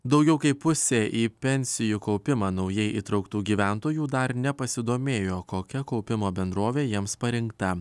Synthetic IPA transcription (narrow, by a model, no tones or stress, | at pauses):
d̪ɒʊɡʲɛʊkɐɪpʊsʲeːʔiːpʲɛnʲsʲɪjukɒʊpʲɪmɑːnɒʊjɛɪʔiːt̪ɾɐʊkt̪uːɡʲiːʋʲæˑnt̪oːjuːd̪ɐɾnʲɛpɐsʲɪd̪oːmʲeːjoːkoːkʲɛkɔʊpʲɪmoːbʲɛnd̪ɾuːʋʲeːjiɛmspɐɾʲɪŋkt̪ɐ